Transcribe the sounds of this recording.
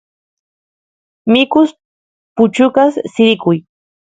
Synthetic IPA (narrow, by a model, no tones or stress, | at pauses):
mɪkʊs | pʊt͡ʃʊkassɪɾɪkʊj